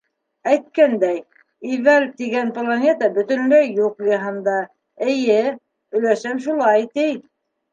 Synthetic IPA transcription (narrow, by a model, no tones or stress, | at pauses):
æjt̪̚kænd̪æj | ivælt̪iɡænplˠonʲet̪ɑbɵ̆t̪ɵ̆nlæjːuqjɤɦɤnd̪ɑ | ɘ̆jɘ | ɵ̆jlæʃæmʃ̬ulˠɑjt̪ɘj